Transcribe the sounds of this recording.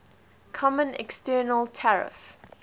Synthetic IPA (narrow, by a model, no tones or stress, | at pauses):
kʰɔmə̃nɛ̰kstɜːnəlˠtʰɛɹɪ̰f